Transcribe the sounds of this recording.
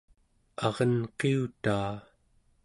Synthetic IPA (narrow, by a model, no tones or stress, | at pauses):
ɑʁʌnqeut̪aː